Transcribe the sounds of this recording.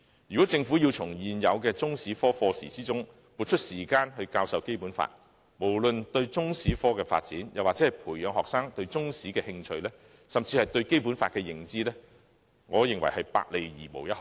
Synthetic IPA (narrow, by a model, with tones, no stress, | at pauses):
jyː˨˩kɔː˨˥t͡sɪ˧ŋfuː˨˥ji˧wt͡sʰʊ˨˩ŋjiː˨njɐ˨˧wkɛː˧t͡sʊ˥ŋsiː˨˥fɔː˥fɔː˧sḭː˨˩t͡siː˥t͡sʊ˥ŋ | puː˨t̚t͡ʃʰɵ˥t̚siː˨˩kaː˧nɦɵ˧ɥkaː˧wsɐ˧wke˥jpuː˨˥nfa̰ː˧t̚ | mo˨˩wlɵ˨nt̪ɵ˧ɥt͡sʊ˥ŋsiː˨˥fɔː˥kɛː˧fa̰ː˧t̚t͡siː˨˥njɐ˨waː˨k̚t͡sɛ˨˥hɐ˨˩jpʰuː˨˩jjœː˨˧ŋɦɔː˨ksaː˥ŋt̪ɵ˧ɥt͡sʊ˥ŋsiː˨˥kɛː˧hɪ˧ŋt͡ʃʰɵ˧ɥlɛː˥ | sɐ˨mt͡siː˧hɐ˨jt̪ɵ˧ɥke˥jpuː˨˥nfaː˧t̚kɛː˧jɪ˨˩ŋt͡siː˥lɛː˥ | ŋɔː˨˧jɪ˨ŋwɐ˨˩jhɐ˨jpa̰ː˧k̚le˨˩jjḭː˨˩mo̰˨˩wjɐ˥t̚h